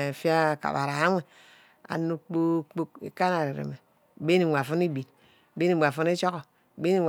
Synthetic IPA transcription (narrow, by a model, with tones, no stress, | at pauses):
fi˦a˦˨ka̰˨ba̰˨ɾa˨˦ŋʷe˨ | a̰˨nu˦k͡po˦k͡po˦k̚ḛ˨ka˦na˨ɾe˨ɾḛ˨me˨ | be˦ni˨ŋʷ˨a˨fu˦ni˦bi˨n˨ | be˦i˨mʷ˨a˨fu˦n˦e˦t͡ʃo˦ɣo˨ | be˦ni˦ŋ